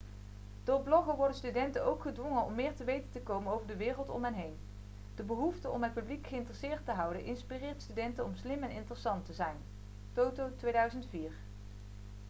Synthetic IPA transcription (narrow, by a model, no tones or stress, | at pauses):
d̥ʊːɹblɔχəʋɔɹdənstydɛntənowkχədʋɔŋənɔ̰mːɪːɹtəʋejtəntəkowmənowvəɹdəʋɪːrəlˠtɔ̰mɦɛnɦejn | d̥əbəɦuftəʔɔ̰mɦət̚pyblikχəɪntərəsɪːɹtəɦɑwdənʔɪnspirɪːɹtstydɛntənɔmslɪmɛnɪ̰ntərəsɑntəzɛjn | towtowtʋejdœɥzəntfiːɹ